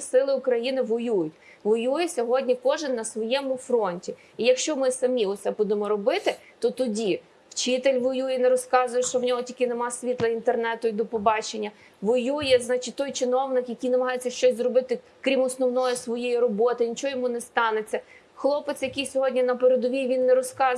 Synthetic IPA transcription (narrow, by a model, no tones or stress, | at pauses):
sɪlˠɪʊkɾɐjinɪʋɔjujʊtʲ | ʋɔjujɛsʲɔɦɔdʲnʲikɔʒɪnːɐsʋɔjɛmʊfɾɔnʲtʲi | ijɐkʃt͡ʃɔmɪsɐmʲiʊt̪sɛbud̪emɔɾɔbɪt̪ɪ | t̪ɔt̪ɔdʲi | wt͡ʃɪt̪elʲʋɔjujɛnɛɾɔskɑzʊjɛʃt͡ʃɔwnʲɔɦɔtʲikɪnemɑsʲʋʲit̪lˠɐint̪ernɛt̪ʊid̪ɔpɔbɑt͡ʃenʲːɐ | ʋɔjujɛznɑt͡ʃɪtʲt̪ɔjt͡ʃɪnɔwnɪkjɐkʲijnɐmɐɦɑjet͡sʲːɐʃt͡ʃɔsʲzrɔbɪt̪ɪ | kɾʲimɔsnɔwnɔjɛsʋɔjɛjirɔbɔt̪ɪnʲit͡ʃɔɔjɔmunɛst̪ɑnet͡sʲːɐ | xlˠɔpet̪sjɐkɪjsʲɔɦɔdʲnʲinɐpeɾed̪ɔʋʲiʋʲinːɛɾɔskɑ